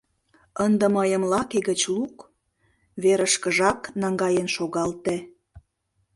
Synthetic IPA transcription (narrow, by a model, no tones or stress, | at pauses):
ənd̪ə̆məjəmlɑkeɣət͡ɕluk | βeɾəʃkəʒɑknɑŋɡɑjənʃoɣɑlt̪ĕ